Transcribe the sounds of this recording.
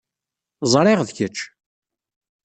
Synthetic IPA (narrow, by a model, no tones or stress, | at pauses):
zˤɾˤɪʁðçət͡ʃː